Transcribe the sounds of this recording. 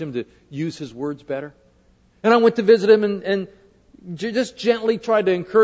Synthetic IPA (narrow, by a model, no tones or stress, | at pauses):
ɨ̃mtɨ | jʉz̥ɨzwɜ˞dzbɛɾə˞ | ɨ̃ɾ̃aɪwɛ̃ntɨvɪzɨt̚hɨ̃mɨ̃nɨ̃n | d͡ʒd͡ʒʌsd̥ʒ̥ɛ̃nʔlitʰɹ̥aɪd̚tɨɨ̃nkʰɜ